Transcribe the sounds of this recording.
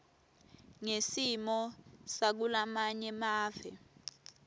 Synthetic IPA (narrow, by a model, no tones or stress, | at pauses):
ŋesimɔsak̬ulamaɲɛmaːvɛ